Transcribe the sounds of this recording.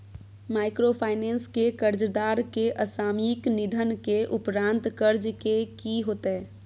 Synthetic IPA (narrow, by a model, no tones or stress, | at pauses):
maːɪkɾopʰaːɪneːnskekəɾd͡ʒd̪aːɾkeʔəsaːmiknɪd̪ʱənkeʔʊpɾãːnt̪kəɾd͡ʒkekiɦoːt̪ɛ